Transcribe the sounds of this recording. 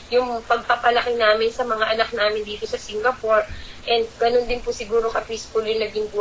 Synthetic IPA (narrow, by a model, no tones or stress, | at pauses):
jʊŋpɐɡ̚pɐpɐlɐkɪnaːmɪnsɐmɐŋaʔɐnɐk̚naːmɪnd̪iːt̪o̞sɐsɪŋɡɐpoɹʔɛnd̪̚ɡ̥ɐnond̪ɪnpʊsɪɡuːɾokɐpiːskʊljʊŋnɐɡɪŋbu